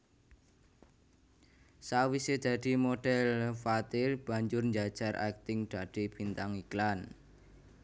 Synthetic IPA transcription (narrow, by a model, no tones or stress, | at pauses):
sawised̪̥a̤d̪̥i̤moɖ̥ɛlfat̪ɪlb̥a̤ɲd͡ʒʊrɲd͡ʒad̥ʒ̥a̤rʔa̰k̚t̪ɪŋd̪̥a̤d̪̥i̤b̥int̪aŋiklan